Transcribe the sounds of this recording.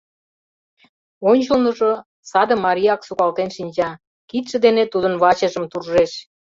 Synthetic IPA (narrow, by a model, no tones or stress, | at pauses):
onʲt͡ɕəlnə̆ʒo | sɑd̪ə̆mɑɾʲijɑksukɑlt̪enʃinʲt͡ɕɑ | kit̪ʃə̆d̪enet̪ud̪ənβɑt͡ɕə̆ʒə̆mt̪urʒeʃ